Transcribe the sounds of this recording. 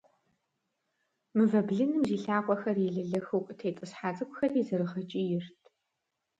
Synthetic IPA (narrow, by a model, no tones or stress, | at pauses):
mɨvɐbɮɨnɨmziːɬaːkʷʼɔxɐrjɛɮɨɮɐxukʷʼtʰeːt͡sʼɨsħaːt͡sʼɨkʷʊxɐrizɐɾɨʁɐt͡ʃʼijɪrtʰ